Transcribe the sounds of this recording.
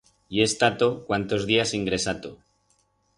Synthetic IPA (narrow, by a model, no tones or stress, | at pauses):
iest̪at̪okwant̪o̞zðiasiŋɡɾe̞sat̪o